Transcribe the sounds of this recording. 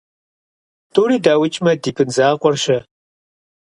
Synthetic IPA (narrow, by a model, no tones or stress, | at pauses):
tʰuːɾiːdaːwɪt͡ʃʼmɐdiːpʰɨnzaːqʷɔrʃɐ